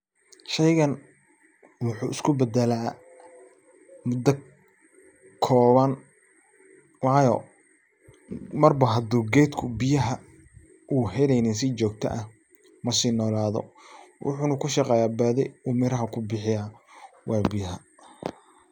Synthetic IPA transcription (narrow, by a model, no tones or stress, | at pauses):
ʃɛjɣɐn | wʊħuːʔɪskʰʊbɛd̪ɛlaː | mʊd̪ɐ | kʰɔːβɐn | wɑːjɔ | mɐrbɐɦɐd̪uːɡɛjd̪kʰʊbɪjɐɦɐ | ʔuːɦɛlɛjnɪns̬ɪt͡ʃɔːɡ̚t̪ʰɐ̰ʔɐh | mɐsiːnɔːlaːðɔ̰wʔʊ̰ħuːnɐkʰʊʃɑqɛːjaːbɐːðɛjumɪɾɐɦɐkʰʊbɪħɪjaː | wʔɑːbɪjɐɦɐ